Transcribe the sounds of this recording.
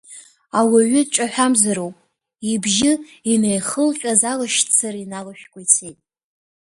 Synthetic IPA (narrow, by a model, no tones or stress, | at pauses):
awaɥʊdt͡ʃʷʼaħʷᶣamzaɾowpʼ | ibʒɪinejχəlχʲʼazalaʃt͡sʰɨrinalaʃᶣkʷʼait͡sʰejtʼ